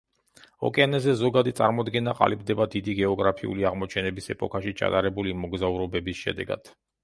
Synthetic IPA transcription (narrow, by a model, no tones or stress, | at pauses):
ɔ̰kʼɛanɛzɛzɔɡad̪it̪sʼa̰ɾmɔd̪ɡɛnaqʼa̰libd̪ɛbad̪id̪iɡɛɔɡɾapʰiṵliaʁmɔt͡ʃʰɛnɛbisɛpʼɔkʰaʃit͡ʃʰa̰t̪ʼaɾɛbulimɔɡzauɾɔbɛbisʃɛ̰d̪ɛ̰ɡa̰d̪̥